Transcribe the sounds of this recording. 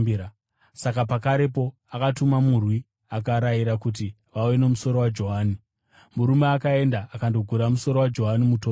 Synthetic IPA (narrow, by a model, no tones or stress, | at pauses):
sakapakaɾe̞po̞ | akatumamurwi | akaɾaiɾakut̬i | ʋaweno̞muso̞ɾo̞wad͡ʒo̞ɦaːni | muɾumeakae̞ndaːkando̞ɡʱuɾamuso̞ɾo̞wad͡ʒo̞ɦanimutoː